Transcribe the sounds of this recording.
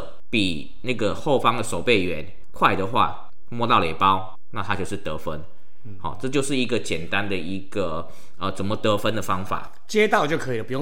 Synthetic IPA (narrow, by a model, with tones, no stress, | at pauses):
pi˨˩ | na˥˩ɡə˨˩xo˥˩ʊfɑ˥ŋd̪ə˨ʂo˨˩ʊpe˥˩ɪɥɛ˧˦n | kʰwa˥˩ɪd̪ə˨xwa̰˥˩ | mwɔ˥t̪ɑ˥˩ʊlɛ˨˩pɑ˦ʊ | na˥˩t̪ʰa˦˥t͡ɕjo˥˧ʊʂɻ̩˥˩t̪ɤ˧˥fə˦n | hɔ̰˨˩ʈ͡ʂɤ˥˧t͡ɕjo˥˧ʊʂɻ̩˥˩i˧˦˥ɡə˨t͡ɕjɛ˨˩nt̪a˦nd̪ə˨i˧˦ɡ̥ə˨˩ | ə˨t͡sə˨˩nmə˨t̪ɤ˧˥fə˦nd̪ə˨fɑ˥ŋfa̰˨˩˦ | t͡ɕjɛ˦t̪ɑ˥˧ʊt͡ɕjo˥˩ʊkʰɤ˦˥i˨lə˩pu˩jo˥˨